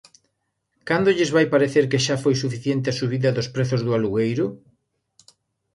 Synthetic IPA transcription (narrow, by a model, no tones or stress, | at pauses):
kand̪oʎɪzβajpaɾeθeɾkeʃafojs̬ufiθjent̪̬easuβ̞iðɐðospɾeθʊzðʊaluɣejɾʊ